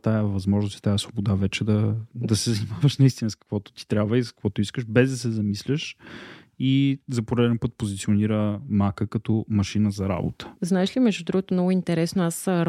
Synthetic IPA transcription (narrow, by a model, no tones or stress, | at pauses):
t̪ajəvɐzmɔʒnosi̥t̪ajəsvobod̪avɛt͡ʃɛd̪ɐd̪ɐsɛzɐnimavɐʃnɐist̪inəskə̥kvɔt̪ʊ̥t̪i̥t̪ɾʲjabvəiskə̥kvɔt̪ʊiskəʃbɛzd̪ɐsɛzɐmislʲəʃ | izɐpoɾɛd̪ɛnpət̪̚pozit̪sioniɾəmakəkɐt̪ɔmɐʃinəzɐɾa̰bo̰t̪ə̥znaɛʃlʲimɛʒud̪ɾuɡot̪omnɔɡʊint̪ɛɾɛsnoas